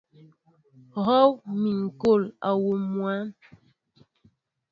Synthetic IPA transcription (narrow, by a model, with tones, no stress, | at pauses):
ɣɔ˦wmi˨ŋ̩˨ko˦˨la˨wo˨mwa˦n